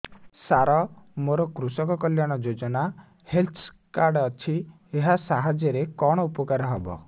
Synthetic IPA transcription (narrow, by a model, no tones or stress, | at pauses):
saɾɔmoɾɔkɾusɔkɔkɔljaɽ̃ɔd͡ʒod͡ʒɔna | helt̪ʰ | kaɾɖɔt͡ʃʰi | eɦasaɦad͡ʒjɔɾekɔɽ̃ɔupɔkaɾɔɦɔbɔ̰